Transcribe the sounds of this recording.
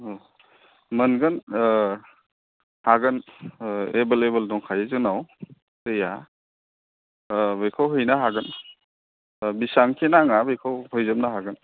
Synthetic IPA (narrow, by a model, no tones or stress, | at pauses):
mɐnɡɯn | haɡɯn | ebelebəldɔŋkʰajezɯnaw | teja | bɯjkʰawɦɯjnaɦaɡɯn | bisaŋkʰenaŋabɯjkʰawhɔjzamnaɦaɡɯn